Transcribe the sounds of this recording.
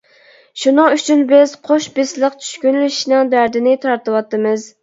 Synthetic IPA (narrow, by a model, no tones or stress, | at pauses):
ʃunɨŋyt͡ʃʰynbɪz̥qʰoʃbɪslˠəqt͡ʃʰy̥ʃkʲynlyʃnɪŋd̪æɾd̪ɪnɪt̪ʰɑɾt̪ɨwɑt̪ːɨmɨz